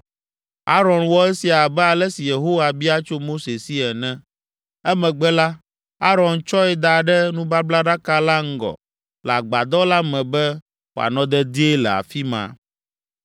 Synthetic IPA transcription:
a˦ɾɔ̃˨nwɔ˦ɛ˦si˨a˨bɛ˦a˨lɛ˦si˨je˨ɦo˦wa˨bi˦a˦t͡ʃo˦mo˦se˨si˦ɛ˨nɛ̃˦ | ɛ˦mɛ̃˨ɡ͡bɛ˦la˦ | a˦ɾɔ̃˨nt͡ʃɔ˦ɛ˦d̪a˨ɖɛ˦nũ˦ba˦bla˦ɖa˦ka˦la˦ŋ̩˦ɡɔ̰˨ | lɛ˨a˨ɡ͡ba˨d̪ɔ˦la˦mɛ̃˨bɛ˦ | wo̰˨a̰˨nɔ̃˦d̪ɛ˦d̪i˦e˦lɛ˨a̰˨fi˦mã̰˨

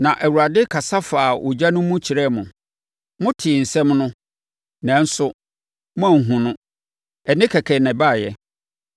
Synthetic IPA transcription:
nã˨ʔɛ˨wu˨a˨dɪ˦kʰa˨sa˦faː˨ʔʊ˨d͡ʑa˦nʊ̃˦mʊ̃˦t͡ɕʰi˨ɾɛ˦mʊ̃˨ | mʊ̃˦tʰɪ˨n̩˨sɛ̃˦mnʊ̃˦ | nɛ̃˨˦n̩˦sʊ˦ | mʊ̃˦ã˨ŋ̩˨ɦũ˨nʊ̃˦ | ɛ˨nɪ̃˦kʰɛ˨kʰɛ˨nɛ̃˨ba˦˨jɛ˦

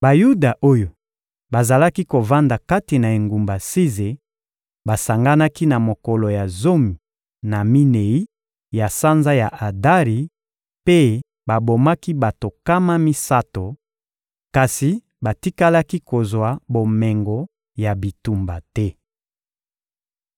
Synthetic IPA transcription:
ba˨ju˦da˨ʔo˦jo˨ | ba˨za˨la˦ki˦ko˨va˦nda˨ka˦ti˨na˨e˨ŋɡu˨mba˨si˦ze˨ | ba˨sa˨ŋɡa˦na˦ki˦na˨mo˨kɔ˨lo˨ja˨zo˦mi˨ | na˨mi˦ne˨i˦ | ja˨sa˦nza˦ja˨ʔa˨da˦ʁi˨ | pe˦ | ba˨bo˨ma˦ki˦ba˨to˨ka˦ma˦mi˦sa˦to˨ | ka˨si˨ | ba˨ti˦ka˦la˦ki˦ko˨zwa˨bo˨mɛ˨ŋɡɔ˨ | ja˨bi˨tu˨mba˨tɛ˦

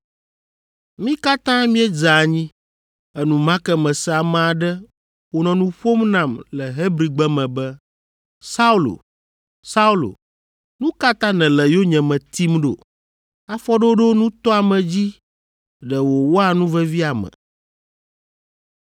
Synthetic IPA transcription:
mĩ˦ka˦t̪ã˦mĩ˦ɛ˦d͡ʒa˨ɲĩ˦ | ɛ˨nũ˨mã˦kɛ˦mɛ̃˨sɛ˦a˨m̃˨a˨ɖɛ˦ | wo˨nɔ̃˨nũ˦ɸo˦mnã˨mlɛ˨ɦe˦bɾi˨ɡ͡bɛ˦mɛ̃˨bɛ˦ | sa˦u˦lo̰˨ | sa˦u˦lo̰˨ | nũ˦ka˦t̪ã˦nɛ̃˨lɛ˨jo˦ɲɛ̃˨mɛ̃˨t̪i˦mɖo̰˨ | a˦fɔ˦ɖo˦ɖo˦nũ˦t̪ɔ˦a˨mɛ̃˨d͡ʑi˦ | ɖɛ˨wo˨wo˦a˨nũ˦vɛ˦vi˦a˨mɛ̰̃˨

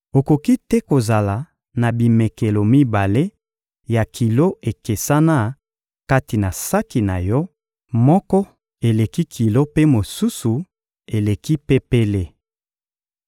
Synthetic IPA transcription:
o˨ko˨ki˦tɛ˦ko˨za˨la˨ | na˨bi˨me˨ke˨lo˨mi˦ba˨le˦ | ja˨kʰi˨lo˦e˨ke˨sa˦na˦ | ka˦ti˨na˨sa˦ki˨na̰˨jɔ˦ | mɔ˦kɔ˦ | e˨le˨ki˦kʰi˨lo˦pe˦mo˨su˦su˨ | e˨le˨ki˦pe˦pe˦le˦

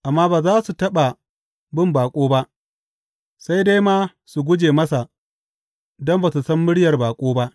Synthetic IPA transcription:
ʔa˨mːaː˦baː˨zaː˦su˨tɐ˦ɓa˨ | bɪ˦mbaː˨kʷʼoː˦ba˦ʔ | sa˦jda˦jmaː˦ | su˨ɡʷʊ˦d͡ʒeː˨mɐ˦sa˨ | dɔ˦mba˨su˨sɐ˦mːɪ˦ɽjɐ˨rbaː˨kʷʼoː˦ba˦ʔ

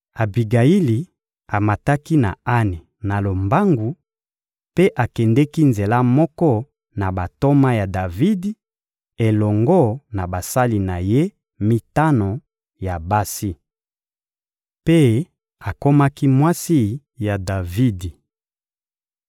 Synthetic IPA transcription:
a˨bi˨ɡa˨i˦li˨ | a˨ma˨ta˦ki˦na̰˨a˦ni˨ | na˨lo˨mba˦ŋɡu˨ | pe˦ʔa˨kɛ˨ndɛ˦ki˦nze˨la˦mɔ˦kɔ˦ | na˨ba˨to˦ma˦ja˨da˨vi˦di˦ | e˨lɔ˨ŋɡɔ˦˨na˨ba˨sa˦li˨na˨je˦ | mi˦ta˦no˨ | ja˨ba˦si˦ | pe˦ | a˨ko˦ma˦ki˦mwa˦si˦ | ja˨da˨vi˦di˨

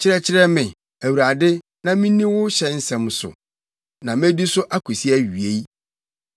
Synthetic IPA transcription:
t͡ɕʰɪ˦ɾɛ˦t͡ɕʰɪ˦ɾɛ˦mɪ̃˨ | æ˨wu˨ɾa˨dɪ˦ | nã˨mĩ˦nĩ˦wʊ˦ɕɛ˦n̩˦sɛ̃˨msʊ̰˨ | nã˨mẽ˦di˦sʊ˦ʔa˦kʰu˨si˦æ˦ɥi˨e˦j

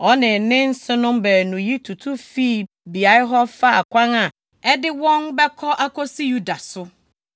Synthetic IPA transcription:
ɔ˦nɪ̃˨nɪ̃˦n̩˦sɪ˦nʊ̃˦mbɛ˨nũ˨ji˦tʰu˨tʰu˦fi˦˨ | bi˨a˨˦ɪ˦ɦɔ˦fa˦a˨kʷʰã˦ŋa˨ | ɛ˦dɪ˦wɔ̃˦nbɛ˦kʰɔ˦ʔa˦kʰɔ˦si˦ju˦da˨sʊ˦

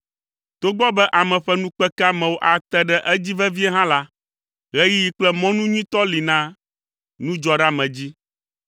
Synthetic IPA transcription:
t̪o˦ɡ͡bɔ˦bɛ˦ʔa˨mɛ̃˨ɸɛ˦nũ˦k͡pɛ˦ka˦mɛ̃˨wo˦ʔa˨t̪ɛ˦ɖɛ˦ʔɛ˦d͡ʑi˦vɛ˦vi˦ɛ˦ɦã˦la˦ | ɣɛ˦ji˦ji˦k͡plɛ˦mɔ̃˦nũ˦ɲĩ˦t̪ɔ˦li˨nã˦ | nũ˦d͡ʒɔ˦ɖa˦mɛ̃˨d͡ʑi˦

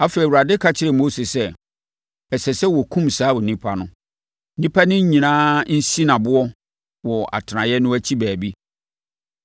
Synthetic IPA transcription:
a˦fe˨i˨wu˨ɾa˨dɪ˦kʰa˦t͡ɕʰɪ˦ɾɪ˨mo˦se˨sɛ˦ | ɛ˨sɛ˨sɛ˦wɔ˨kʰũ˦msaː˦wɔ˨nĩ˦pʰa˦nʊ̰̃˦ | nĩ˦pʰa˦nʊ̃˦ɲ˦ɲĩ˨nãː˦n̩˦si˦nã˨bʊ˦ɔ˦ | wɔ˨a̰˨tʰɪ˨nã˨jɛ˦nʊ̃˦æ˦t͡ɕʰi˦bæː˨bi˦

